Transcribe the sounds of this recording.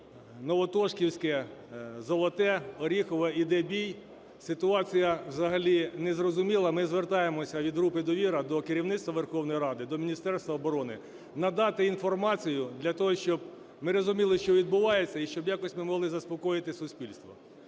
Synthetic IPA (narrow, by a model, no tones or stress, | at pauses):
nɔʋɔt̪ɔʃkʲiwsʲkɛzɔlˠɔt̪ɛɔɾʲixɔʋɛid̪ɛbʲij | sɪt̪ʊɑt͡sʲijɐwzɐɦɐlʲinɛzrɔzʊmʲilˠɐmɪzʋert̪ɑjemɔsʲɐʋʲid̪ɦɾupɪd̪ɔʋʲiɾɐd̪ɔkɪɾʲiwnɪt̪t̪ʋɐʋerxɔwnɔjiɾɑd̪ɪd̪ɔmʲinʲist̪ɛrst̪ʋɐɔbɔɾɔnɪ | nɐd̪ɑt̪ɪinfɔrmɑt͡sʲijʊd̪lʲɐt̪ɔɦɔʃt͡ʃɔb̚ | mɪɾɔzʊmʲilˠɪʃt͡ʃɔʋʲid̪̚bʊʋɑjet͡sʲːɐiʃt͡ʃɔbjɑkɔsʲmɪmɔɦlˠɪzɐspɔkɔjɪt̪ɪsʊsʲpʲilʲst̪ʋɔ̰